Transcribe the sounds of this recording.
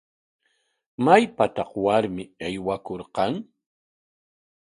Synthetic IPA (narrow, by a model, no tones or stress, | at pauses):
majpat̪ɑχwaɾmɪɑjwakoɾqɑŋ